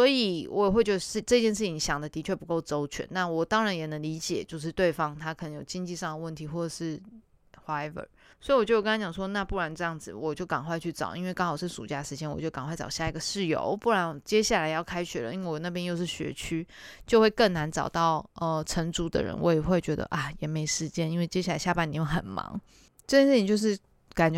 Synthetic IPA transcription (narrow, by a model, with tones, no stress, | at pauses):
swɔ˧˥i˨wɔ˧˦˥jɛ˨˩xwe˥˧ɪt͡ɕɥɛ˥˧˩ʂɻ̩˥˧ʈ͡ʂɤ˥˧t͡ɕjɛ˥˧nʂ̬ɻ̩ʰ˥˩i˨˧˥ŋɕjɑ˨˩ŋd̪ə˦t̪i˧˥t͡ɕʰɥɛ˥˩pu˧˥ko˥˩ʊt͡so˥ʊt͡ɕʰɥɛ̰˨˦nna˥˩wɔ˨˩t̪ɑ˥ŋɻa˧˥njɛ˨˩nə˧˥ŋli˧˥t͡ɕjɛ̰˨˩t͡ɕjo˥˧ʊʂ̬ɻ̩˥˧t̪we˥˩ɪfɑ˥ŋt̪ʰa˥kʰə˨˩nə˧˦ŋjo˨˩t͡ɕi˥ŋt͡ɕi˥˧ʂɑ˥˩ŋd̪ə˩wə˥˩nt̪ʰi˧˥xwɔ˥˩ʈ͡ʂə˨˩ʂɻ̩˥˩ | xwa˥ɛ˥və̰˨˩ | swɔ˧˥i˨˩wɔ˨˩t͡ɕjjkŋʰã˥t͡ɕjɑ˨˩ŋʂwɔ˥na˥˧pu˥˩ɻa˧˥nʈ͡ʂɤ˥˧jɑ˥˩ŋd͡zɹ̩˨˩wɔ˨˩t͡ɕjo˥˩ʊkɑ˨˩ŋxwa˥˧ɪt͡ɕʰy˥˩ʈ͡ʂɑ̰˨˩ʊʔi˥nwe˥˩ɪkɑ˥ŋxɑ˨˩ʊʂ̩˥˩ʂṵ˨˩t͡ɕja˥˩ʂɻ̩˧˥t͡ɕjɛ˥nwɔ˨˩t͡ɕjo˥˩ʊkŋxwa˥˩ɪʈ͡ʂɑ˨˩ʊɕja˥˩i˧˥ɡə˨ʂɻ̩˥˩jo̰˧˥ʊpu˥˩ɻa˧˦˥nɔ˨˩t͡ɕjɛ˥ɕja˥˩la˨˧ɪjɑ˥˩ʊkʰa˥ɪt͡ɕʰy˨˩lə̰˦i˥nwe˥˩wɔ˨˩na˥˩pʰjɛ˥njo˥˧ʊʂ̬ɻ̩˥˩ɕɥɛ̰˧˥t͡ɕʰy˥t͡ɕjo˥˧ʊxwe˥˧ɪkə˥˩ŋna˧˥nʈ͡ʂɑ̰˨˩ʊt̪ɑ˥˩ʊə˧˩ʈ͡ʂʰə˧˥nʈ͡ʂu˧˥d̪ə̰˨ɻə̰˧˦nwɔ̰˧˦jɛ˨˩xwe˥˩ɪt͡ɕɥɛ˧˥d̪ə̰˧ʔa˥˩jɛ˨˩me˧˥ɪʂɻ̩˧˩t͡ɕjɛ˥ni˥nwe˥˩ɪt͡ɕjɛ˥ɕja˥˩la˧˥ɪɕja˥˧pa˥ni˨˩jo˥˩xə̰˨˩nmɑ̰˧˥˦ŋ | ʈ͡ʂɤ˥˧t͡ɕjɛ˥nʂɻ̩˥˩t͡ɕi˧˥t͡ɕjo˥˧ʊʂ̬ɻ̩˥˩ | ka˨˩nt͡ɕɥ